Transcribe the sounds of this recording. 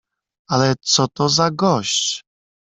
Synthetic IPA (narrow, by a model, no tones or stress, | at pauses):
alɛt̪sɔt̪ɔzaɡɔɕt͡ɕ